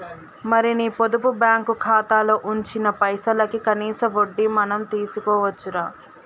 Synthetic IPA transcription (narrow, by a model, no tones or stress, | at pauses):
mɐɾiniːpod̪upubjaːŋkukʰaːt̪aːloːʔuɲt͡ʃinɐpɐjsɐlɐkikɐniːsɐʋoɖːimɐnɐmt̪iːsukɔːʋɐt͡ʃːuɾaː